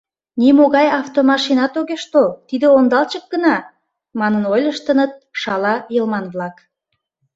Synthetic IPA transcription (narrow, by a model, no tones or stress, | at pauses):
nimoɣɑjɑft̪omɑʃinɑt̪oɣeʃt̪olt̪id̪eond̪ɑlt͡ɕək̚ɡənɑ | mɑnənojlʲəʃt̪ənət̪̚ʃɑlɑjəlmɑnβlɑk